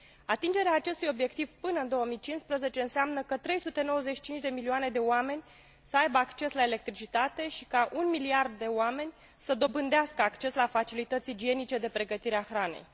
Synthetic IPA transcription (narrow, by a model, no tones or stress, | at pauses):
at̪ind͡ʒe̞ɾeaːt͡ʃe̞st̪ujo̞bje̞kt̪ivpɨnəɨnd̪owəmijt͡ʃinspɾəze̞t͡ʃe̞ɨnseamnəkət̪ɾe̞jsut̪e̞no̞wəzeʃi̥t͡ʃint͡ʃʲd̪e̞milioane̞d̪e̞oame̞nʲ | səajbəakt͡ʃe̞slae̞le̞k̚t̪ɾit͡ʃit̪at̪e̞ʃi̥kaʔunmiliard̪ːe̞oame̞nʲ | səd̪o̞bɨnd̪easkəakt͡ʃe̞slafat͡ʃilit̪ət̪sid͡ʒie̞nit͡ʃe̞d̪e̞pɾe̞ɡət̪iɾeaxɾane̞̰j